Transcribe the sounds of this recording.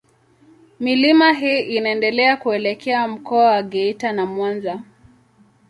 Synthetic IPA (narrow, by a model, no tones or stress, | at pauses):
milimaɦiːʔinaɛndɛlɛakuɛlɛkʰɛam̩kɔawaɡɛitanamwanza